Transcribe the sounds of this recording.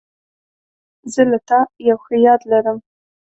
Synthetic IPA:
zɨlɨtʰajaxijadlɐɾɨm

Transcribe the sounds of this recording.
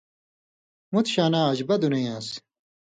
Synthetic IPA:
mut̪ɕaːnaːɐd͡ʑbɐd̪unejãːs

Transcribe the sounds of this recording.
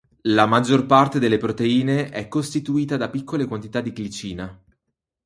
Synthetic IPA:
lamad͡ʒːorpart̪ed̪elːepɾot̪eiːneʔɛkːost̪it̪uiːt̪ad̪apikːolekwant̪it̪ad̪ːiklit͡ʃiːna

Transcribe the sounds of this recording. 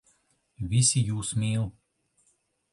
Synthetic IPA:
vʲisʲijuːsmʲeːlˠ

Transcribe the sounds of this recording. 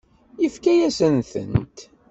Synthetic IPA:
jəfkæjæsənθə̰nt̪

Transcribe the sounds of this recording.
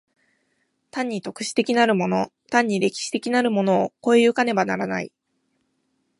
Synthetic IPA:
t̪ãɲ̟ːit̪o̞kɯ̟̥ɕi̥t̪e̞kʲinaɾɯ̟mo̞no̞t̪ãɲ̟ːiɾe̞kʲi̥ɕi̥t̪e̞kʲinaɾɯ̟mo̞no̞ːko̞eɯ̟kane̞banaɾanaḭ

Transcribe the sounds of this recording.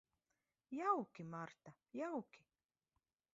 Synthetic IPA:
jawkɪmaɾt̪a | jawkɪ̥

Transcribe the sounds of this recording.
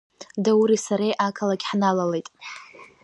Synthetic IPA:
dawuɾisaɾejʔakʰalaɡʲħnalalejtʼ

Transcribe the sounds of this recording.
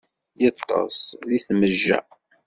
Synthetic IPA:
jət̪ˤːɑ̰sliθməʒːæ̰

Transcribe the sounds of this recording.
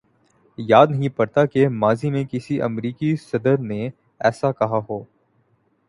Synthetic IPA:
jaːd̪nɐɦĩpɐɾt̪akemaːzimẽkɪsiʔɐ̰mɾiːkisɐd̪əɾne | ɛːsakɐɦaɦoː

